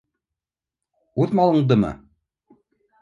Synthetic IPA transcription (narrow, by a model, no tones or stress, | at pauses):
uðmɑlˠɤ̆ɴd̪ɤmɤ̰